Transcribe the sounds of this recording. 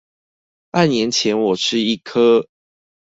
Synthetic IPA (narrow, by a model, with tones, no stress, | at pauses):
pa˥˨njɛ˨˦nt͡ɕʰjɛ˨˦nwɔ˨˩ʈ͡ʂʰɻ̩˦˥i˥˩kʰɤ˦